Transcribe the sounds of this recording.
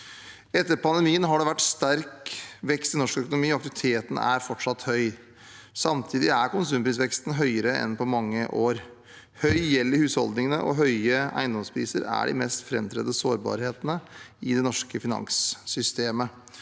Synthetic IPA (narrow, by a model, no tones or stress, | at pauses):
ɛt̪ːəɾpʰɑnd̪ɛmiːənɦɑɖɛʋæʈːst̪æɾkʋɛkst̪ɪnɔʂkœkʊnʊmiːɔɑkt̪ɪʋɪt̪ʰeːt̪n̩æ̰ɾfɔʈʂɑt̪ːhœʏ | sɑmt̪ʰiːd̪ɪæɾkʊnsʉːmpʰɾiːs̬ʋɛkst̪n̩ɦœʏəɾəɛ̰npʰɔmɑŋːəʔoːɾ | hœʏjɛlːəɾhʉːshɔ̰ld̪nɪŋənəʔɔ̰ɦœʏəæ̰ɪnd̪ɔmspʰɾiːsə̰ɾæ̰ɖɪ̰mɛst̪fɾɛmt̪ʰɾɛ̰d̪əsoːɾbɑ̰ːɾheːt̪ənəɪd̪ɛnɔʂkəfɪnɑ̰ŋsːʏst̪eːmə